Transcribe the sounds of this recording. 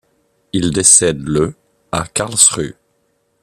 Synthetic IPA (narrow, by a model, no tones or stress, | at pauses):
ild̪esɛd̪lə | akaʁlsʁy̰